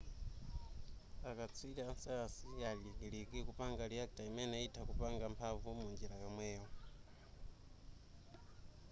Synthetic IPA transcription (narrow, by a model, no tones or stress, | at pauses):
akat͡sʰwilɛansɛasijaliɡilikikupaŋɡaliak̚tʼaimɛnɛitʰakupaŋɡampʰavumund͡ʒiɾajɔmwɛːɔ